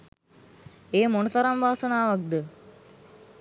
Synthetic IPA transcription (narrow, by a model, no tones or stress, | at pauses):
eːmonəsɐɾamʋaːsənaːʋak̚d̪ə